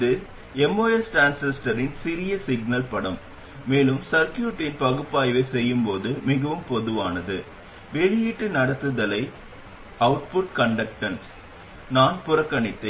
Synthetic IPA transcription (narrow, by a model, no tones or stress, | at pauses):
ðɯ | ɛmoːɛsʈaːnsɛsʈɐɾɪnsɪɾɪjɐsɪɡnɐlpɐɽɐmː | eːlɯmsɐɾkjuːʈːɪnpɐɣɯpːaːjʋɐɪsɛjːɯmpoːðɯmɪɣɐʋɯmpɔðɯʋaːnɐðɯ | ʋɛɻɪjɪʈːɯnɐɽɐt̪ːɯðɐlɐɪ | ɐʋʊʈ̚pʊʈ̚kɐɳɖɐk̚ʈɐn | naːnpʊɾɐkːɐɳɪt̪ːɐɪ